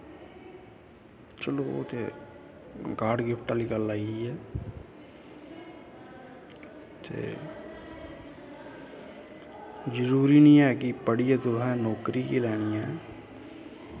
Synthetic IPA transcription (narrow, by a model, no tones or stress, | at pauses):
t͡ʃəloːt̪eː | kaːɾɖɡɪpʰʈaːliːɡəlːaːiɛː | t̪ʰḛː | d͡ʒəɾuːɾiːnĩːɛːkɪpəɽijãːt̪ʊɾɦɛ̃ːnɔːkɾiːkilɛːɽ̃ijɛ̃ː